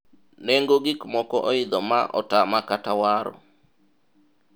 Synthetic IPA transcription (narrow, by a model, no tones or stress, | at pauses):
neŋɡoɡɪkmɔkɔʔɔɪd̪ɔmaʔɔ̰tamakatawaɾɔ̰